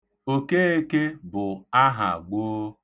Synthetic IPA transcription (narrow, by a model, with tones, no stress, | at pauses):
o˨ke˦e˦ke˦bʊ˨a˦ɦa̰˨ɡ͡boː˦